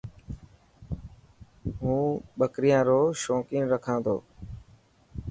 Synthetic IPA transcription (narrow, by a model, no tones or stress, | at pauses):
ɦũːɓəkɾɪjãːɾoːʃoːkiːnɾəkʰãːd̪o̰ː